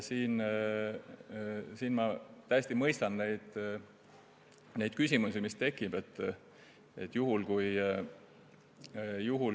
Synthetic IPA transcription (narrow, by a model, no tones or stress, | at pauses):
siːn | siːnmɑt̪æjesʲt̪imɤjst̪ɑnne̞jd̪̥ | ne̞jd̪̚kysʲimusimist̪e̞kːˑib̥e̞t̪ːˑ | e̞̰t̪ːˑjuɦulkuj | juɦul